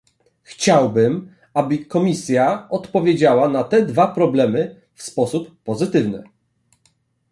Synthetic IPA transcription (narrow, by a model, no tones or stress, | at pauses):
xt͡ɕawbɘm | abɘkɔmʲisʲjaɔt̪pɔvʲjed͡ʑawanat̪ɛd̪vapɾɔblɛmɘ | fspɔsupːɔzɘt̪ɘvnɘ̰